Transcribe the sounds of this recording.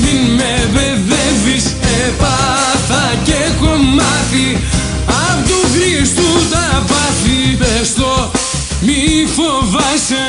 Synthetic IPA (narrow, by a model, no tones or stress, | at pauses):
minmeveðɛvis | e | pɐ | θɐ | cekomɐθi | ɐpot̪uɣɾist̪ut̪ɐpɐθipest̪o | mifovɐse